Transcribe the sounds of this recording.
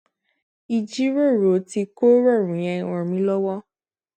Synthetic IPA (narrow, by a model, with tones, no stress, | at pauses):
i˨d͡ʒi˦ɾe˦˨ɾo˨˦ti˧ko˦ɾe˦˨ɾũ˨jã˨wɔ̃˨mĩ˦lɔ˦wɔ˦